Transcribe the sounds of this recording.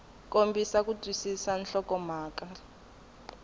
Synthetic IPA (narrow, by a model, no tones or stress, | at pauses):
k̬ʼombʱisak̬ʼutʼwisisanɬɔkʼɔmaːkʼa